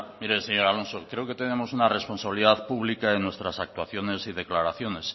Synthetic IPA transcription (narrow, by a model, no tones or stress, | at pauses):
miɾeseɲoɾalo̞nsokɾe̞oke̞t̪e̞ne̞mo̞sunare̞spo̞nsaβiliðaðpuβlikaenwe̞st̪ɾasak̚t̪waθjo̞ne̞siðe̞klaɾaθjo̞ne̞s